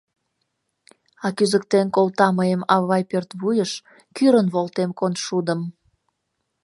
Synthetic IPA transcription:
ɑkyzəkt̪enkolt̪ɑməjəmɑβɑjpørt̪βujəʃ | kyɾənβolt̪emkonʃud̪əm

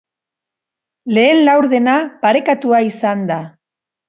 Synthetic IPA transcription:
le̞ːnlawɾðe̞napaɾe̞kat̪uaisand̪a

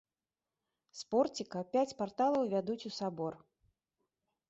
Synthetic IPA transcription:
spɔrt͡sʲikɐpʲat͡sʲpart̪alˠɐwvʲad̪ut͡sʲusabɔr

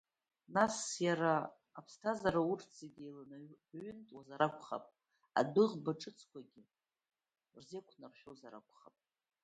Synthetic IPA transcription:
nasjaɾaː | pʰstʰazaɾaurʰd͡zeɡʲejlanɥʏntʼwazaɾakʷʰʼχa̰pʼ | a̰dɨʁbaʈ͡ʂʼɨt͡sʰkʷaɡʲɪ | rzekʷʰnarʃᶣowzaɾakʷʰʼχapʼ

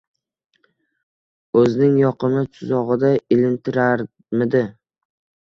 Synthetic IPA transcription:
ɵznɪŋjɒqɨmɪt͡ʃ̪ʰʊzɒʁɨd̪aɪlɪnt̪ʰɪɾaɾ | mɪd̪ɪ

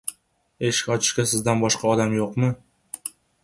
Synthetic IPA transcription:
e̞ʃɪ̥kʲɒt͡ʃʰɪ̥ʃkʲasɪzd̪anbɒʃqɑɒd̪amjoqmɪ

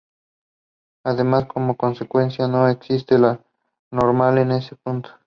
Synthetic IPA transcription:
aðemasko̞moko̞nsekwe̞nsjano̞eksist̪ela | noɾmale̞nesepunt̪o̥

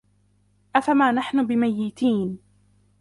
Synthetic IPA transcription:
ʔafamaːnaħnʊbɪmajːɪt̪iːn

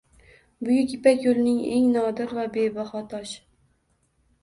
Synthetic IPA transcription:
bʊjʊkʲʰipɛkʲjolnɪŋeŋnɒːd̪ɨɾvæbebɑχɒt̪ʰɒʃ

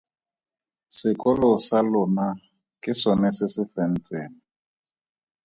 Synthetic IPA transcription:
sɪkʼɔlɔsalʊna | kʼɪsɔnɛsɪsɪfɛn̩t͡sʼeːnɪ

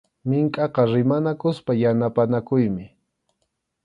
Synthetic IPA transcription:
mɪŋkʼɑqɑɾɪmanakʊspajanapanakʊjmɪ

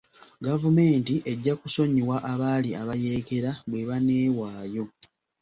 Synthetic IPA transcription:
ɡavume̞ːntiʔe̞ɟːakuso̞ɲiwaʔaβaːliaβaje̞ke̞ɾaβwe̞βaneːwaːjo̞

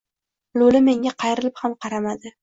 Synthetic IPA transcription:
lʊlɪme̞ŋʲaqʰɑjɾɪlɪphamqʰɑɾamad̪ɪ

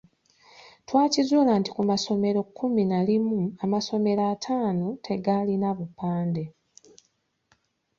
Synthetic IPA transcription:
twaːcizuːlaːnti̥kumaso̞me̞ɾo̞kʰːuminalimuamaso̞me̞ɾaːtʰaːnotʰe̞ɡalinaβupːaːnde̞

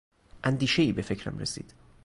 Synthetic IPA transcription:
ʔænd̪iːʃeiːbefe̞cʰɾæ̰mresḭːd̪̥

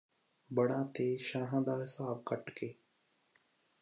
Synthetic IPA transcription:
bəɽãːt̪eːʃãːɦãːd̪aːɾsaːbkəʈkeː

